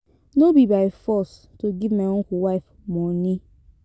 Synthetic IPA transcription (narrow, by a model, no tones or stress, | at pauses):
nobibaɪfɔs | toɡivmaõkuwaɪf | mɔ̃nĩ